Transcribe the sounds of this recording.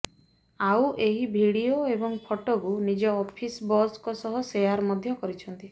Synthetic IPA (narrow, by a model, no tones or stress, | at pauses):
awʔeɦibʱiɽioebɔŋpʰoʈokunid͡ʒɔːpʰisbɔskɔsɔɦɔsejaɾmɔd̪ʱjɔkɔɾit͡ʃʰɔnt̪i